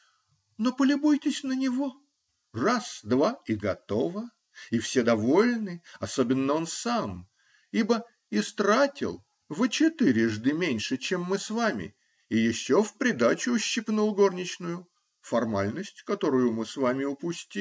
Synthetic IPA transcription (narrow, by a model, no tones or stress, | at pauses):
no̞pəlʲɪbujtʲɪsʲnənʲɪvo̞ | rasd̪vaɪɡɐt̪o̞və | ifsʲed̪ɐvo̞lʲnɨɐso̞bʲɪnːəo̞nsam | ibə | ɪst̪ɾatʲɪ̰lˠ | vɨt͡ɕɪt̪ɨɾʲɪʐd̪ɨmʲenʲʂɨt͡ɕemːɨsvamʲɪ̰ | ɪjɪɕːo̞fpɾʲɪd̪at͡ɕʊːɕːɪpnulˠɡo̞rnʲɪt͡ɕnʊjʊ | fɐrmalʲnəsʲtʲkɐt̪o̞ɾʊjʊmɨsvamʲɪʊpʊsʲtʲi